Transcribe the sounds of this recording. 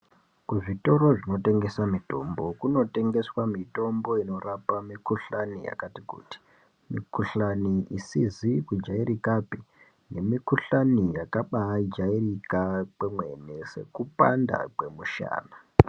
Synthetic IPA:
kuʐito̞ɾo̞ʐino̞te̞ŋɡe̞samito̞mbo̞kuno̞te̞ŋɡe̞swamito̞mbo̞ino̞rapamikuɬanḭja̰katikṵːti̥ | mikuɬaniʔisizikud͡ʒaiɾikapi | ne̞mikuɬanijakaɓaid͡ʒairikak͡pemwe̞ne̞se̞̰kupa̰nda̰ke̞muʃa̰ːna

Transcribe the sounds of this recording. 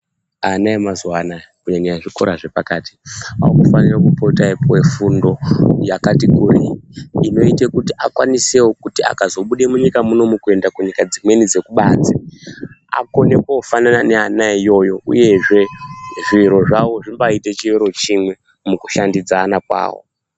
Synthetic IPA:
anaemazwanakuɲaɲiaʐiko̞ɾaʐe̞pakati̥a̰ukufanirakupotaipoefundo̞jakatikuriino̞itekutiʔakwanisewokutia̰kazo̞ɓuɗemuɲikamuno̞mukue̞ndakuɲikad͡zimwe̞nid͡ze̞kuɓaːt͡se | a̰ko̞ne̞koofanananeanaijo̞joṵje̞ʐe̞ʐiɾo̞ʐawo̞ʐimbaitet͡ʃiiɾo̞t͡ʃimwe̞ | mukuʃandid͡zaːnakwa̰ːwo̰

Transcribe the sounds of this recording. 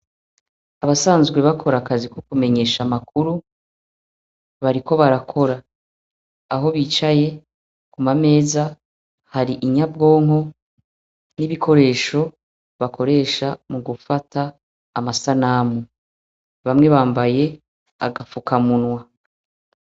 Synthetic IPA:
aβasaːnzɡwe̞βakʰo̞ɾakazikokume̞ɲe̞ːʃamakuɾu | βaɾiko̞βaɾakʰo̞ɾaː | ɦo̞βiːt͡ʃaje̞ | kumame̞ːza | haɾiʔiɲab̚ɡo̞ːŋɦo̞ | niβikʰo̞ɾe̞ːʃo̞ | βakʰo̞ɾe̞ːʃamuɡufatʰaː | masanaːmu | βamŋe̞βaːmbaje̞ | a̰ɡafukamunwa

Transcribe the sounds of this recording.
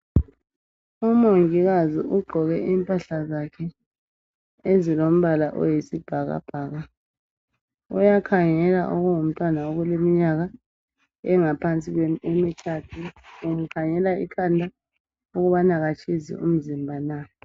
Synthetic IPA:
umoŋiɣaziʔuɡ͡ǃʱɔɣɛʔiːmpʼaɬazakʰɛ | ezilom̩βalaʔɔ̰jisib̥ʱaɣa̰b̥ʱaːɣa | ṵjakʰaŋɛla̰ʔoɣuŋum̩tʼwanaoɣulemiɲaɣa | ɛŋapʰant͡sʼiɣweemitʰatʰuumukʰaŋɛlaḭkʰandʱa | uɣuβanaɣat͡ʃʰʼizḭṵm̩zimbʱana

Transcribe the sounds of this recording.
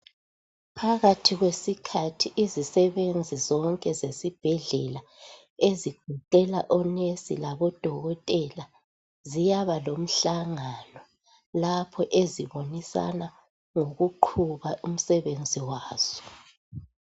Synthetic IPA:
pʰaɣatʰiɣwesikʰatʰiʔizisɛβend͡zʱizɔŋkʼɛzesib̥ʱɛɮɛla | eziɡ̥̚ʱuǃɛlaʔɔnesḭlaβɔd̥ʱɔɣɔtʼɛla | zijaβalom̩ɬaŋanɔ | lapʰɔʔeziβonisa̰na | ŋoɣuǃʰuβaum̩sɛβend͡zʱiwaːz̥ɔ̥

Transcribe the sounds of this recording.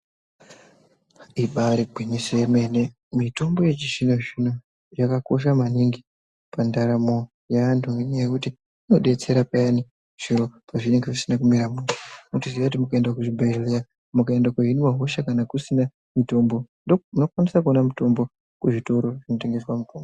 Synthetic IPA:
iɓaɾebʱeɲeseemene | mito̞mbo̞je̞t͡ʃiʐinoʐino | jakako̞ʃ̬amaniŋɡi | pandaɾamo̞ | jaantʰuŋɡeɲajekuti | ino̞ɗe̞t͡se̞ɾapajani | ʐ̥iɾo̞paʐine̞ŋɡeʐisinakumiɾamuɾanotiziʋakutimukaendakuʐibʱalea | mukae̞ndakeɦiniwaɦo̞ʃakanakusina | mito̞mbonomunokwanisakuonamuto̞mbo | kuʐito̞ɾo̞ʐino̞te̞ŋɡe̞swamutoːmbo

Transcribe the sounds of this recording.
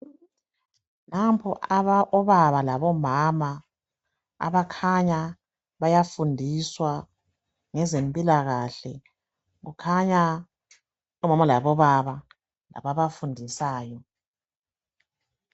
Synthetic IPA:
nampʰɔʔaβaʔɔβaβalaβɔmama | a̰βakʰaɲa | βajafundʱiswa | ŋɛzempʼilaɣaɬɛ | ɣukʰaɲa | ɔmamalaβɔβaβa | la̰βaβafundʱisaːjɔ

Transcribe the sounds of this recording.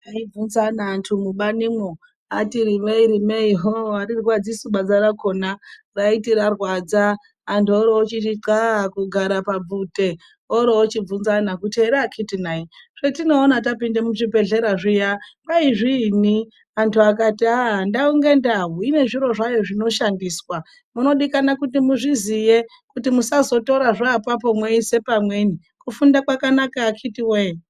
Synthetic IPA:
aib͡vunzanaːntʰumuɓanimo | atiɾimeiɾimeiɦowaɾirwad͡zisuɓad͡zaɾakonaraitiɾarwad͡zaː | ntuoɾoot͡ʃiiǀakuɡʱaɾapab͡vute | oɾoot͡ʃib͡vunzanakuteɾakʰitinaiʐ̥etino̞ːnat̬apindemuʐibʱe̞ɮe̞ɾaʐijaŋɡaiʐini | antʰuakatiaɦndauŋɡe̞ndaɦuine̞ʐiɾo̞ʐajo̞ʐino̞ʃandiːswa | muno̞ɗikanakut̬imuʐizije | kutimusazo̞to̞ɾaʐaːpap̬o̞mweise̞pamweni | kufundakwakanakaːkʰitiwe

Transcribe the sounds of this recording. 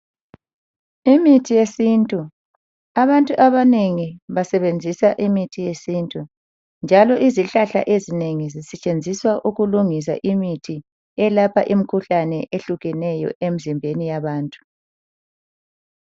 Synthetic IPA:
imitʰijesintʼu | aβantʼuʔaβaneŋiβasɛβend͡zʱisaʔimitʰijesintʼu | nd͡ʒʱalɔʔiziɬaɬa̰ʔezineŋizisɛt͡ʃʼend͡zʱiswaʔuɣuluŋis̬a̰ʔimitʰi | ɛlapʰa̰ʔim̩kʰuɬanɛʔeɬuɣɛnɛjɔ̰ʔem̩zimbʱenijaβaːntʼu̥

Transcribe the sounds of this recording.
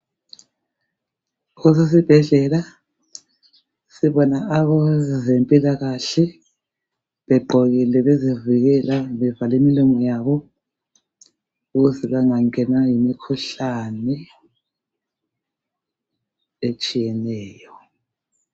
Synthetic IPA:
ɣɔs̬es̬ib̥ʱɛɮɛla | siβɔnaːβɔzempʼilaɣaɬɛ | βɛɡ͡ǃʱɔɣilɛβeziviɣɛlaβɛvalimiluŋɔjaβɔ | uɣuzɛβaŋaŋɛnajimikʰuɬanɛ | et͡ʃʼijɛnɛːjɔ

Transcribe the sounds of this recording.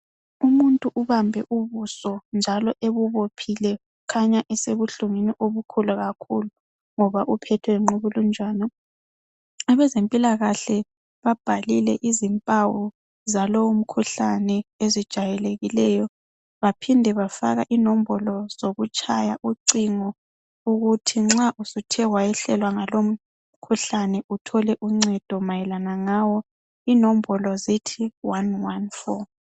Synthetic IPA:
umuntʼuʔuβambʱɛʔuβusɔnd͡ʒʱalɔʔeβuβopʰilɛ | kʰaɲaʔɛseβuɬuŋiniʔoβukʰulaɣakʰulu | ŋɔβaʔupʰɛtʰwɛŋ͡ǃuβulund͡ʒʱaːnɔ | aβɛzempʼilaɣaɬɛ | βab̥ʱalilɛʔizimpʼawu | zalɔwum̩kʰuɬanɛezid̥ʒ̥ʱajɛleɣilɛjɔ | βapʰindʱɛβafa̰ɣa̰ʔinɔm̩bɔlɔz̥oɣut͡ʃʼaja̰ʔuǀiŋɔ | uɣutʰiŋ͡ǁaʔusutʰɛwajɛɬɛlwaŋalom̩ | kʰuɬanɛʔutʰɔlɛʔuŋ͡ǀɛd̥ʱɔmajɛlanaŋawɔ | inɔm̩bɔlɔzitʰiwanwanfɔ̰

